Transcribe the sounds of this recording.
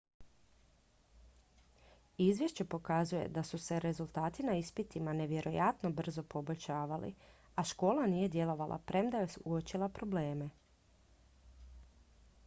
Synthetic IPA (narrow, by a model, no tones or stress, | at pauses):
izʋje̞ʃt͡ɕe̞po̞kazuje̞̰d̪asuse̞ɾe̞zulˠt̪aːt̪inaispit̪imane̞ʋje̞ɾo̞jat̪no̞br̩zo̞po̞bo̞ʎʲʃaːʋalḭ | aʃko̞ːlˠaniːje̞d̪je̞lo̞ʋalʔa̰pɾʔe̞md̪ajesuot͡ʃilˠapɾo̞ble̞ːme